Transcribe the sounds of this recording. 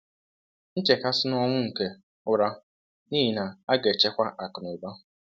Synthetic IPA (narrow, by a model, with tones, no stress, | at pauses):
n̩˦t͡ʃe˨ka˦sɪ˦nɔ˦ŋʷʊ˦ŋ̩˨ke˨ | ʊ˦ɾa˦ | niː˦i˨na˨a˦ɡe˨t͡ʃe˦kʷa˦ʔa˨kʊ˨n˨o˨ba˦˨